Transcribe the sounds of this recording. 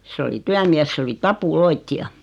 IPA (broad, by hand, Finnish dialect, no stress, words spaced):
sĕ oli tyæmies s oli tɑpuloitːiɑ